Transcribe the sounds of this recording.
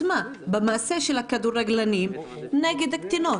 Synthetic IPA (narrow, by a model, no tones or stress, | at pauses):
mabemaseʃelhakad̪uɾeɡlanim | neɡed̪akt̪ino